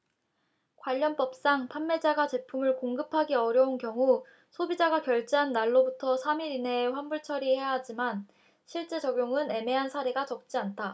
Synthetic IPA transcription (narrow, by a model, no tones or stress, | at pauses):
kwaʎːʌnp͈ʌp̚s͈aŋpʰanme̞d͡ʑaɡat͡ɕe̞pʰumɯɭkoŋɡɯpʰaɡeʌɾjʌunkjʌŋu | sʰobid͡ʑaɡakjʌɭt͡ɕ͈eɦanːaɭːobutʰʌsʰamiɾineɸwanbuɭt͡ɕʰʌɾihejaɦad͡ʑiman | ɕʰiɭt͡ɕ͈e̞t͡ɕʌɡjoŋɯne̞me̞ɦansʰaɾeɡat͡ɕʌk̚t͡ɕ͈iantʰa